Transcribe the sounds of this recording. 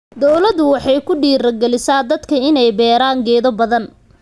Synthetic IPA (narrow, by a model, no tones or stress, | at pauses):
d̪ɔwlɐðʊwɑħɑjkʰʊɖiːɾɐɡɛlɪsaːd̪ɐd̪kʰɐɪnɛjbɛːɾaːŋɡɛːðɔbɐðɐn